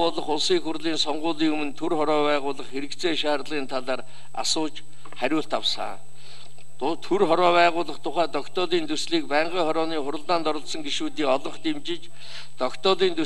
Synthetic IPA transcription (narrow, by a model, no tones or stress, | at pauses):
ʊɮə̆χʊɮsiːŋxurɮiːnsɔɴɢʊːɮiːŋɵmɵ̆nt̪ʰurχɔɾɔːpæːʁʊːɮə̆χxeɾɘ̆kt͡sʰeːʃaːrɮʁiːnt̪ʰaɮaːr | a̰sʊːt͡ɕ | χæɾʲʊːɬt̪awsa̰ː | t̪ʰɵrχɔɾɔːpæːʁʊːɮə̆χt̪ʰʊχæːt̪ɔkt̪ɔɮiːnt̪ʰɵsɮiːk̚pæːɴɢiːŋχɔɾɔːniːχʊɾə̆ɮt̪aːnt̪ɔɾə̆ɮsɞ̆ŋɡiʃuːt̪iːŋɔɮɞ̆ɴχt̪emt͡ɕɪ̆t͡ɕ | t̪ɔkt̪ɔɮiːnt̪ʰu